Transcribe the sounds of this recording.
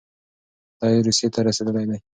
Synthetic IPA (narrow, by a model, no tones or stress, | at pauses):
d̪̥ɑjeɾusjet̪ʰaɾased̪əlajd̪aj